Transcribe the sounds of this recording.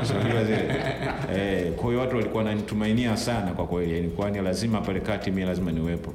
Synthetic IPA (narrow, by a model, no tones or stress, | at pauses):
saɡuiazilɛɛkwahijɔwatuwalikuawnanitumainiasanakwakwɛlianikuanilazimapalɛkatimilazimaniwɛpɔ